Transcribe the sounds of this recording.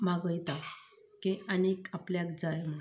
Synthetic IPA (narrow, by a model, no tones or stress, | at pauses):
maɡəjt̪a | keanekapljakd͡zajm̤ə